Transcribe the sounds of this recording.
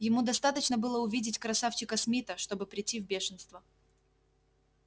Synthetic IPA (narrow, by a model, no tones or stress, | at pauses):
jɪmud̪ɐst̪at̪ət͡ɕnəbɨlˠəʊvʲidʲɪtʲkɾɐsaft͡ɕɪkəsmʲit̪əʂt̪o̞bɨpɾʲɪtʲːivbʲe̞ʂɨnst̪və